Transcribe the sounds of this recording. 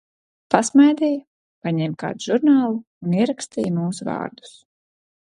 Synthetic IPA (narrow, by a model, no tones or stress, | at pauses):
pasmajd̪ij | paɲɛmka̰ːd̪uʒuɾnaːlˠuːniɛɾakst̪iːjmuːsuvɑ̰ːɾd̪u̥s